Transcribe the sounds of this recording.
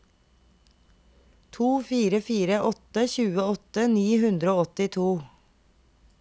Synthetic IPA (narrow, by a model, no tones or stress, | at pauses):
t̪ʰuːfiːɾəfiːɾəʔɔt̪əçʉːəɔt̪əniːhʉnd̪ɾəoːɔt̪ɪt̪ʰuː